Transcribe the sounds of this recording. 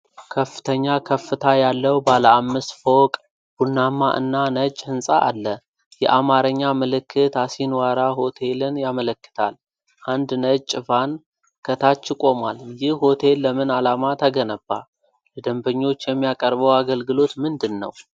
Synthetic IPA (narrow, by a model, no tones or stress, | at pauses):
kʰəfːɨt̪ʰəɲːakʰəfːɨt̪ʰajalːəwbaləamːɨst̪fokʼ | b̥unːamːaʔɨ̰nːanət͡ʃʼːhɨnsʼaʔalːə | jɛ̰ʔamaɾəɲːamɨlɨkːɨt̪asinwaɾaho̞t̪ʰe̞lɨnjamələkːɨ̥t̪ʰa̰l | ʔand̪nət͡ʃʼːɪfan | kʰət̪ʰat͡ʃːɪkʼo̞mwaljɪhho̞t̪ʰe̞lːəmɨnalamat̪ʰəɡənəbːa̰ | ləd̪əmbəɲːo̞t͡ʃːjɛmːijakʼəɾbəwaɡəlɡɨlo̞t̪mɨnd̪ɨnːə̰w